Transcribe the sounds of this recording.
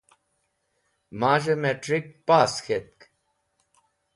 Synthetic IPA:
maːʒɐmeʈɾik̚paːsxʰet̪̚k

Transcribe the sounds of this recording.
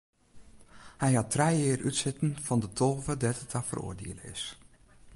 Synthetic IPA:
hɛjhatʰrɛjɪːrʔytsɪtən̩v̥ɔndətʰoːvədɛtətʰafə̰ro̰ːdḛələɪ̰s

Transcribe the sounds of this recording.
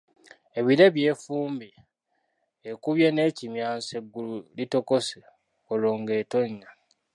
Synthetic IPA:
e̞βiɾeβjeːfuːmbi | ekuβjeneːcimjaːnseɡːululito̞kose | oloːŋɡeːto̞ɲːa

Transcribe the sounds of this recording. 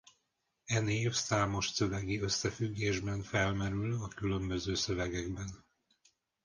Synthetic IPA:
ɛneːfsaːmo̞ʃsø̞vɛɡiø̞sːɛfyɡːeːʒbɛnfɛlmɛɾylɒkylø̞mbø̞zøːsø̞vɛɡɛɡbɛn

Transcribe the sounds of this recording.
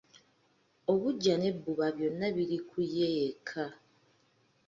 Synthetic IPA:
oβuɟːane̞buβaβjo̞nːaβiɾikʰujeːkʰa

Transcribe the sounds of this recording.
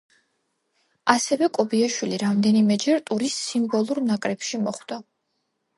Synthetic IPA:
asɛvɛkʼɔbiaʃwiliɾamd̪ɛnimɛd͡ʒɛɾt̪ʼuɾisːimbɔlˠuɾnakʼɾɛpʃimɔχd̪a

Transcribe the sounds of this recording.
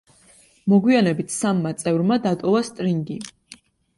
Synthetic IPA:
mɔɡwianɛbit̪ʰsamːat̪sʼɛvɾmad̪at̪ʼɔvast̪ʼɾiŋɡi

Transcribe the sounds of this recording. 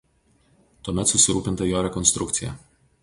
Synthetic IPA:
t̪uɔːmʲɛt̪sʊsʲɪɾuːpʲɪnt̪ɐjoːɾʲɛkɔnst̪ɾʊk̚t̪sʲɪjɛ̰

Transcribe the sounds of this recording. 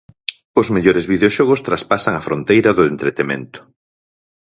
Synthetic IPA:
ʊzmeʎoɾezβiðeoʃɔɣ̞ʊst̪ɾaspasaŋɐfɾont̪ejɾɐðʊent̪ɾet̪emḛ̃nt̪ʊ̥

